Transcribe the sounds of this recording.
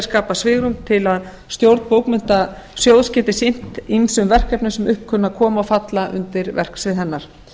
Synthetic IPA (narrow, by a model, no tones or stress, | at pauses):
skaːpasvɪːɣɾʏmt̪ʰɪlað | st̪jowɾt̪powknmʏn̥t̪a | sjowðscɛːt̪ɪsɪn̥t̪imisʏmvɛr̥kɛpnʏsɛmʏhpkʰːʏnːakʰɔːmaɔwfat̪laʔʏ̰nt̪ɪɾvɛ̰r̥ksvɪðɦɛnːaɾ̥